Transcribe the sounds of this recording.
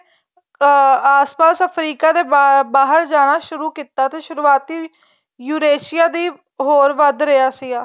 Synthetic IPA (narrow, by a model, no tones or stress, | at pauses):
aːspaːsəpʰɾiːkaːd̪eːbaːɦəɾd͡ʒaːɽ̃aːʃʊɾuːkiːt̪aːt̪eːʃʊɾuːaːt̪iː | juːɾeːʃɪjaːd̪iː | ɦoːɾʋəd̪ɾɪjaːsiːaː